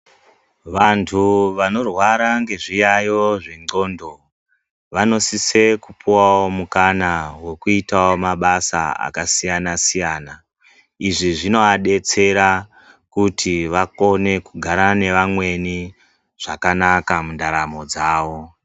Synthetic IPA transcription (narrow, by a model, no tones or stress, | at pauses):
ʋantʰuʋano̞rwaɾaŋɡe̞ʐijajo̞ʐeŋ͡ǀo̞ːndo̞ | ʋano̞sise̞kupuwawomukanawe̞kuitaomaɓasa̰a̰kasijanasijaːna | iʐiʐino̞aɗe̞t͡se̞ɾa | kutʰiʋako̞ne̞kuɡʱaɾane̞ʋamwe̞ni | ʐ̥akanakamundaɾamo̞d͡zaːwo̞